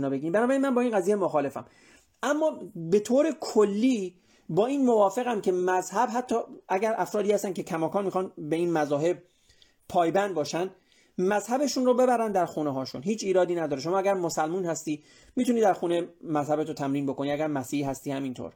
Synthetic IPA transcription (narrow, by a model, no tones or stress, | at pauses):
nɒːbe̞ɡiɾimbænɒbæɾiːnmænbɒːiːnɢæziːjemoxɒːle̞fæ̰m | ʔæmːɒːbe̞t̪ʰoːɾe̞kʰolːiː | bɒːiːnmovɒːfe̞ɣæmcʰe̞mæzhæbɦæt̪ʰːɒːʔæɟæɾʔæfɾɒːd̪ihæst̪æncʰe̞kʰæmɒːkʰɒːnmixɒnbeiːnmæzɒːɦe̞b̚ | pʰɒːjbænd̪̚bɒːʃænd̪ | mæzhæbe̞ʃunɾobe̞bæɾænd̪æɾxuːneɦɒːʃṵnɦiːt͡ʃʰiːɾɒːd̪iːnæd̪ɒːɾeʃ̬o̞mɒːæɡæɾmosælmuːnhæst̪iː | miːt̪uniːd̪æɾxuːnemæzhæbet̪ʰot̪ʰæmɾiːnbo̞ko̞niæɡæɾmæsiːɦæst̪iːhæmint̪ʰo̰ɾ